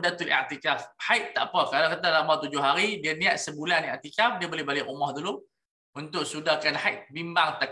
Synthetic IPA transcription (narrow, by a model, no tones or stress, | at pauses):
dat̪ulʔa̰ʔt̪ikafhajʔt̪ːa̰ʔpəkalakət̪alamat̪ud͡ʒʊhɦaɾidiəniaʔ̪səbulanaʔt̪ikafdiəbolɛhbalɪʔumɔhd̪ulu | unt̪ʊʔsudakanhajʔ̪̚bimbaŋt̪a